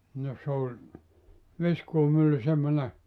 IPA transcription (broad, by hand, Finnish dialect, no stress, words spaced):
no s olʲ ʋiskuːmylːy semːone